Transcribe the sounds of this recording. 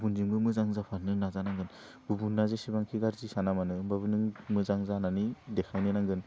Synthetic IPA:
bbunziŋbɯmɯzaŋzapʰanɯnazanaŋɡɯn | b̥ubunːazesibaŋkʰiɡaɾzisanamanɯɯbaβɯnɯŋmɯzaŋzananidekʰajnɯnaŋɡɯn

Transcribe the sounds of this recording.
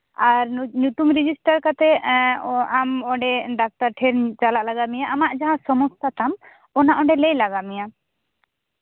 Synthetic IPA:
aɾɲut̪umɾid͡ʒisʈaɾkat̪ɛ | amɔɖɛɖak̚taɾʈʰɛɾt͡ʃalaʔlaɡamijaʔamaʔd͡ʒaɦãsɔmɔst̪at̪am | ɔnaʔɔ̃ɖɛlɛjlaɡamija

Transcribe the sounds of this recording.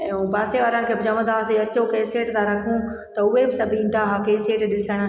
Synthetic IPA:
ɛ̃ːũːpaːseʋaːɾənɪ̆kʰeːbɪd͡ʑɐʋə̃d̪aːseɐt͡ɕokeːseːʈt̪ʰãɾɐkʰũ | t̪ɐʊɦebɪsɐbʱĩːnd̪ʱaɦakeːseːʈɗɪsəɽ̃

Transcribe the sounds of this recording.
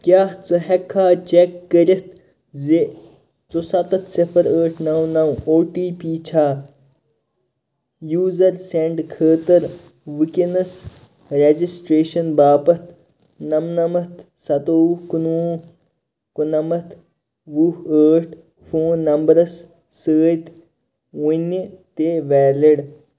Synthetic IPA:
kjaːht͡sɨɦekʰːaːt͡ʃekːəɾit̪ | ze | t͡sosɐt̪ɐt̪sifʰɐɾəːʈʰnɐwnɐwoːʈiːpiːt͡ʃʰaː | juːzɐɾseɳɖkʰəːt̪əɾ | ʋɨkinɐs | ɾed͡ʒisʈɾeːʃɐnbaːpɐt̪ʰ | nɐmnɐmɐt̪ | sɐt̪oːukunũː | kunɐmɐt̪ | ʋuəːʈʰ | fũːnːɐmbəɾɐsː | əːt̪ | unit̪eːʋɛːliɽ

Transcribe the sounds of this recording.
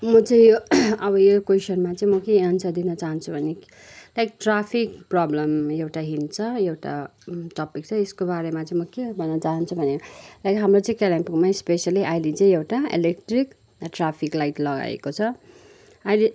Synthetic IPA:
mʌt͡sʌ̃ĩjoʌbʌjokwesʌnmat͡sʌ̃ĩmʌkeansʰʌd̪inʌt͡saɦʌnt͡sʰubʱʌne | lajk̚ʈrapʰikprʌblʌmewʈaɦint͡sʰʌewʈa̰t̪ʌpik̚t͡sʰʌeskobaɾemat͡sʌ̃ĩmʌkebʱʌnːʌt͡saɦʌnt͡sʰubʱʌnelajkɦamrot͡sʌ̃ĩkalampiŋmaispesjaliʔajlit͡sʌ̃ĩewʈaḛlek̚ʈrik | ʈrapʰiklajʈlʌɡa̰ḛkot͡sʰʌ | ajle

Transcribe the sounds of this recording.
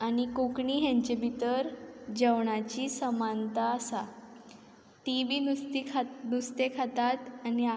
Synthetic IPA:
añikokɳiːɦjãɲt͡ɕebʱit̪əɾd͡ʑəʋɳat͡ɕisəmant̪aːsa | t̪iʋiːnt̪ikʰnust̪ekʰat̪at̪ani

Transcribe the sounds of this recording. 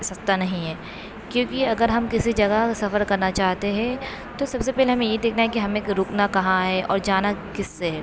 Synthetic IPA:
sɐst̪anɐɦĩɦɛː | kjõːkiɐɡəɾɦɐmkɪsid͡ʒɐɡasɐfəɾkɐɾnat͡ʃaːɦt̪eɦɛ̃ | t̪osɐbsepɛːleɦɐmẽjed̪eːkʰnaɦɛkiɦɐmẽɾʊːknakɐɦãɦɛʔɔ̰ːɾd͡ʒaːnakɪsːeɦɛː

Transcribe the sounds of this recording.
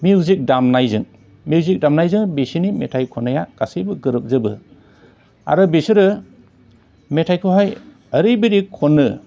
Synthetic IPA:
miwzik̚damnajzɯŋ | miwzik̚damnajzɯŋbesinimetʰajkʰɔnajaɡ̥asɯjbɯɡɯɾɯk̚zɯbɯ̰ | a̰ɾɯbesɯɾɯ | metʰajkʰɯɦaj | əɾɯjbiɾikʰɔnːɯ

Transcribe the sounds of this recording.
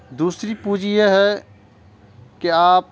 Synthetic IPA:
d̪uːsɾipuːd͡ʒijeɦɛ | keaːp

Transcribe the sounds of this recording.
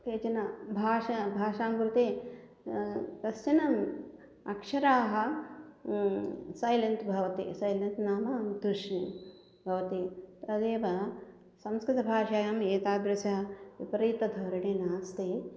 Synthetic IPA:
t̪eːt͡ʃɐnɐbʱaːʃɐbʱaːʃaːmɡɾut̪eː | k̪ɐst͡ʃɐnɐm | ɐ̰kʂɐɾaːɦɐ | sɐjlent̪bʱɐʋɐt̪ḛːsɐjlɐnt̪naːmaːmd̪ɾuʂni | bʱɐʋɐt̪it̪ɐd̪eːʋɐ | sɐmskɾɪt̪ɐbʱaːʃaːjɐmeːt̪aːd̪ɾɐsɐɐʋipɐɾiːt̪ɐd̪ʱɐwɾɐɽeːnaːst̪eː

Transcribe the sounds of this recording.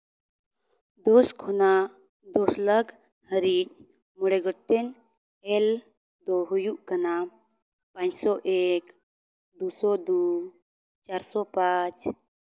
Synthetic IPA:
d̪ɔskʰɔna | d̪ɔsləɡ | həɾic̚ | mɔɽɛɡɔʈ̚t̪ɛn | ɛl | d̪ɔɦujuʔkana | pãɲsɔʔek | d̪usɔd̪u | t͡ʃaɾsɔpat͡ʃ

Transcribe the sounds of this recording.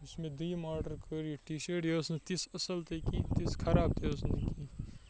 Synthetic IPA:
ʊsmẽd̪ɐimaːɾɖəɾkʰəɾjiʈiːʃeːʈjɐsnet̪isɐsəlt̪ekit̪ɪskʰɐɾaːb̚t̪ʰeʊsneki

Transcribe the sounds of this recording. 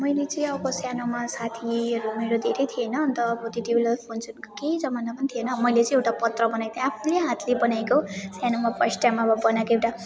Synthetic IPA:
mʌjlet͡sʌĩʌbʌkosjanomasat̪ʰiʌɾumeɾod̪ʱeɾʌjt̪ʰijenʌnt̪ʌːbʌt̪iʈiblʌpʰont͡sʰunkokejd͡zʌmanapʌnit̪ʰijenʌmʌjlet͡sʌ̃ewʈapʌt̪rʌbʌnajt̪apʰuleɦat̪ʰlebʌnajkosjanomapʌsʈjamabʌbʌnakoewʈa

